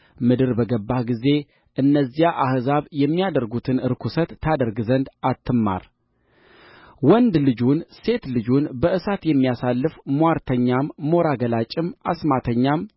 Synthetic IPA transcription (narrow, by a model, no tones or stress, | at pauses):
mɨd̪ɨɾbəɡəbːahɡize̞ | ʔɨnːəzːijaʔahzaβjɛmːijad̪əɾɡut̪ʰɨnɨɾkʰusət̪ʰːad̪əɾɡzənd̪at̪ʰːɨmːa̰ɾ | wɔnd̪lɨd͡ʒunse̞t̪lɨd͡ʒunbəʔɨsat̪jɛmːijasalːɨfmaɾt̪ʰəɲːamːo̞ɾaɡəlat͡ʃʼːɪmasmat̪ʰəɲːam